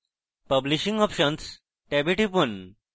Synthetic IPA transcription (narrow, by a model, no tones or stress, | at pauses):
pəbliʃĩŋɡɔpʃəns | ʈɛbeʈipun